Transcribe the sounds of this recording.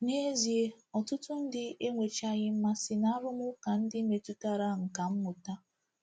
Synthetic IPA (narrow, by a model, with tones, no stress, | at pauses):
ne˦zi˨e˦ | ɔ˨tʊ˦tʊ˦n̩˦dɪ˦e˦ŋʷe˨t͡ʃa˦ɣɪ˦m̩˦ma˦sɪ˨na˦ɾʊ˦mʊ˦ka˨n̩˦dɪ˦me˨tu˦ta˦ɾa˦ŋ̩˨ka˨m̩˦mʊ˨ta˦